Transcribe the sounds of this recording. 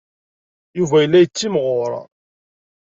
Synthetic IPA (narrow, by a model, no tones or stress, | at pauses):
juvæjəlːæjət͡sːimʁʊɾˤɑ̰